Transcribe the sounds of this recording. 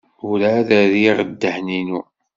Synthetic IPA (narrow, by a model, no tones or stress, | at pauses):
uɾaðæðiʁəd̪ːəhninu